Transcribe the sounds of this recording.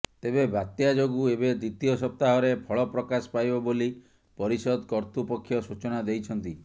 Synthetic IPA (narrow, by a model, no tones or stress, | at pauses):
t̪ebebat̪jad͡ʒoɡuebed̪ɾit̪ijɔsɔp̚t̪aɦɔɾepʰɔɭɔpɾɔkasɔ̥pajbɔboli | pɔɾisɔd̪kɔɾt̪upɔkʰːjɔsut͡ʃɔnad̪ejt͡ʃʰɔnt̪i